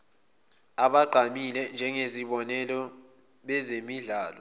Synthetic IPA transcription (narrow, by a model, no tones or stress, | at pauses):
aɓaɡ͡ǃʱamilɛnd͡ʒʱɛŋeziɓɔnɛlɔ | ɓɛzemiɮaːlɔ